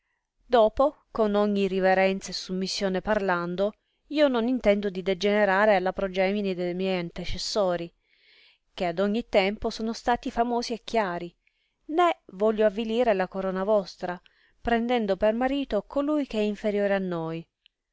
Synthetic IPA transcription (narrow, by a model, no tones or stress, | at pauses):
d̪oːpokonoɲːiriveɾɛnt̪sesumːisːjoːneparland̪o | iːononint̪ɛnd̪od̪id̪ed͡ʒeneɾaːɾealapɾod͡ʒɛːminid̪ejmjɛjant̪et͡ʃesːoːɾi | k̟ead̪ɔɲːit̪ːɛmposoːnost̪aːt̪ifamoːziekːjaːɾi | nevɔʎːoavːiliːɾelakoɾoːnavɔst̪ɾa | pɾɛnd̪ɛnd̪opermaɾiːt̪okolujk̟eɛiɱfeɾjoːɾeanːoj